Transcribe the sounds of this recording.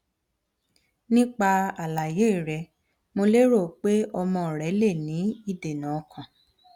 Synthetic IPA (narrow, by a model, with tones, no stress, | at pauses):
nĩ˦k͡pa˧a˨la˨je˨˦˨ɾɛ˨˧ | mo˧le˦ɾo˦˨k͡pe˦ɔ˧mɔ̃˧˨ɾɛ˨˦le˦˨nĩ˨˦i˦˨de˨nã˨˧kʰã˨